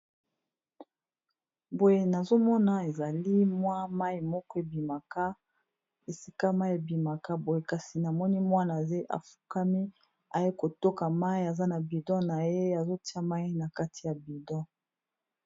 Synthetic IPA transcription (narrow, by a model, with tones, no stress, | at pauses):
bo˨je˨na˨zo˦mɔ˦na˨e˨za˨li˦mwa˦ma˦i˨mɔ˦kɔ˦e˨bi˨ma˨ka˦ | e˨si˦ka˦ma˦i˦e˨bi˨ma˨ka˦bo˨je˨ka˨si˨na˨mɔ˦ni˦mwa˦na˨ze˦ʔa̰˨fu̥˨ka˦mi˦ | a˨je˦ko˨to˦ka˨ma˦i˨a˨za˦na˨bi˨dɔ̃˦na˨je˦a˨zo˦ti˦a˦ma˦i˦na˨ka˦ti˨ja˨bi˨dɔ̃˦